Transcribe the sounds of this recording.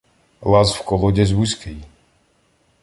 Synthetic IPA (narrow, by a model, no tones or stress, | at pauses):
lazfkɔlɔɟɛzβuskij